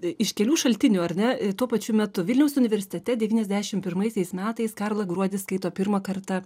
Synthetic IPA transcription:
ɪʃkʲɛlʲuːʃɐlʲt̪ʲɪnʲuːɐɾʲnʲɛt̪uɔpɐt͡ʃʲʊmʲɛt̪ʊʋʲɪlʲnʲɛʊsʊnʲɪʋʲɛɾʲsʲɪ̥t̪ʲɛt̪ʲɛd̪ʲɛʋʲiːnɛzʲd̪ʲæːʃʲɪmpʲɪrmɐɪsʲɛɪsmʲæːt̪ɐɪskɑrlˠɐɡɾuɔd̪ʲɪskɐɪt̪oːpʲɪɾmɐkɐrt̪ɐ

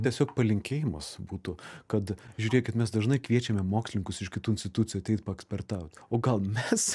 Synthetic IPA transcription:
t̪ʲiɛsʲoːkpɐlʲɪŋʲkʲeːjɪmɐsbuːt̪ʊkɐt̪ʒʲʉːɾʲeːkʲɪt̪mʲɛsd̪ɐʒnɐɪkʋʲiɛt͡ʃʲɛmʲɛmoːksʲlʲɪŋkʊsɪʃkʲɪt̪uːɪnsʲt̪ʲɪt̪ut͡sʲɪjuɐt̪ʲɛɪt̪̚pɐɛksʲpʲɛɾt̪ɑʊt̪ʲoːɡɐlˠmʲɛs

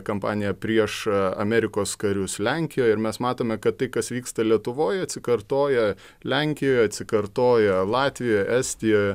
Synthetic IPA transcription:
kɐmpɑːnʲɪjɛpʲɾʲiɛʃɐ̰mʲɛɾʲɪkoːskɐɾʲʊslʲɛŋʲkʲɪjoːɪɾmʲɛsmɑːt̪oːmʲɛkɐt̪t̪ːɐɪkɐsʋʲiːkst̪ɐlʲiɛt̪ʊʋoːjɐt̪ʲsʲɪkɐɾt̪oːjɛ | lʲæŋʲkʲɪjoːjɐt̪ʲsʲɪkɐrt̪oːjɛlˠɑːt̪ʲʋʲɪjoːjæsʲt̪ʲɪjoːj

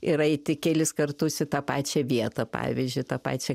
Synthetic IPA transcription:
ɪɾɐɪt̪ʲɪkʲɛlʲɪskɐrt̪ʊsɪt̪ɑːpɑːt͡ʃʲɛʋʲiɛt̪ɐpɑ̰ːʋʲizʲd͡ʒʲʊɪt̪ɑːpɑ̰ːt͡ʃʲɛ

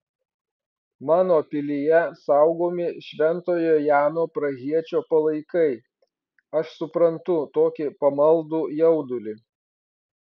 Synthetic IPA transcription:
mɑːnoːpʲɪlʲɪjɛsɐˑʊɡoːmʲɪʃʲʋʲɛnt̪oːjojæːnoːpɾɐɣʲiɛt͡ʃʲoːpɐlˠɐɪkɐɪ | ɐʃsʊpɾɐnt̪ʊt̪oːkʲɪpɐmɐlˠd̪uːjɛʊd̪ʊlʲɪ

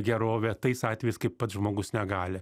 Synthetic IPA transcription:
ɡʲɛɾoːʋʲɛt̪ɐɪsɑːt̪ʲʋʲɛjɪskɐɪppɐt̪ʒmoːɡʊsnʲɛɡɑːlʲɪ

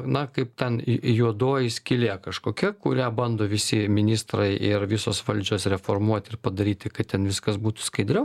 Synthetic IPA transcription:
nɐkɐɪp̚t̪ʲɛnjuɔd̪oːjɪsʲkʲɪlʲeːkɐʃkoːkʲɛkʊɾʲæːbɐnd̪oːʋʲɪsʲɪmʲɪnʲiːst̪ɾɐɪɪrʋʲɪsoːsʋɐlʲd͡ʒʲoːsɾʲɛfoːrmuɔt̪ʲɪrpɐd̪ɐɾʲiːt̪ʲɪkɐɪt̪ʲɛnʋʲɪskɐsbuːt̪ʊ̥skɐɪd̪ʲɾʲɛʊ

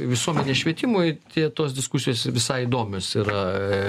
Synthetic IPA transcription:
ʋʲɪsuɔmʲɛnʲesʃʲʋʲiɛt̪ʲɪmojt̪ʲiɛt̪oːsd̪ʲɪskusʲɪjoːsʋʲɪsɐɪid̪oːmʲoːsiːɾɐ

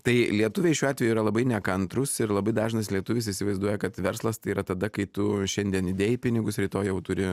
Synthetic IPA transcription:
t̪ɐɪlʲiɛt̪ʊʋʲeɪʃʲuːɑːtʲʋʲɛjuːɾɐlˠɐbɐɪnʲɛkɐnt̪ɾʊsɪɾlˠɐbɐɪd̪ɑːʒʲɪnɐslʲiɛt̪ʊʋʲɪsɪisʲɪʋɐɪzd̪uɔjɛkɐt̪ʋʲɛɾslˠɐst̪ɐɪiːɾɐt̪ɐd̪ɐkɐɪt̪ʊʃʲɛnʲd̪ʲiɛnɪd̪ʲeːjɪpʲɪnʲɪɡʊsɾʲiːt̪oːjjɛʊt̪ʊɾʲɪ

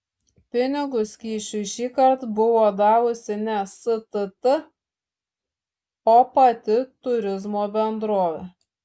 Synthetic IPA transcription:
pʲɪnʲɪɡʊskʲiːʃʲʊɪʃʲiːkɐɾt̪bʊʋoːd̪ɑːʋʊsʲɪnʲɛsɨt̪ɨt̪ɨ | oːpɐt̪ʲɪt̪ʊɾʲɪzmoːbʲɛnd̪ɾoːʋʲe

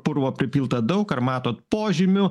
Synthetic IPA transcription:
pʊɾʋoːpʲɾʲɪpʲiːlˠt̪ɐd̪ɐʊkɐrmɑːt̪oːt̪poːʒʲɪmʲʊ

